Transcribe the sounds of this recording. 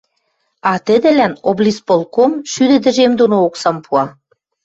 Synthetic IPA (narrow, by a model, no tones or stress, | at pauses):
ɑt̪ə̆d̪ɘ̆lænoblʲispolkomʃyd̪ɘ̆d̪ɘ̆ʒemd̪onooksɑmpʰuɑ